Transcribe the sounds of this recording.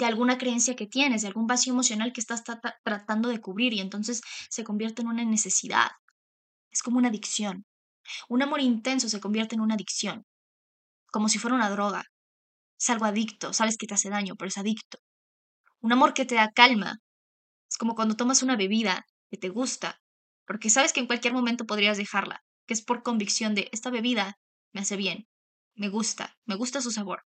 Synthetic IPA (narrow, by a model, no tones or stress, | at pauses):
d̪e̞alɣunakɾe̞e̞nsjake̞t̪je̞nez̬ðealɣumbasjoemo̞sjo̞nalkeːst̪ast̪ɾat̪and̪o̞ðe̞kuβɾiɾie̞nt̪o̞ns̬e̞sːe̞ko̞mbje̞ɾt̪eːnũnane̞se̞siða̰ð | esko̞mounaðiksjo̞n | unamo̞ɾint̪e̞ns̬o̞s̬e̞kombje̞ɾt̪eːnũnaðiksjo̞ŋ | ko̞mo̞s̬ifweɾaunaðɾo̞ɣa̰ | esalɣo̞aðikt̪o̞saβe̞sket̪e̞ase̞ðaɲo̞peɾoesaðikt̪o̥ | unamo̞ɾke̞t̪e̞ðakalma̰ | e̥sko̞mo̞kwand̪ot̪o̞masunaβe̞βiða | ke̞t̪e̞ɣust̪a̰ | po̞ɾke̞saβe̞skeːŋkwalkjeɾmo̞mẽnt̪o̞p̬oðɾiazðexaɾla̰ | keespo̞ɾko̞mbiksjo̞nd̪e̞ʔest̪aβe̞βiða | me̞ase̞βje̞n | me̞ɣust̪a̰me̞ɣust̪as̬us̬aβo̞̰ɾ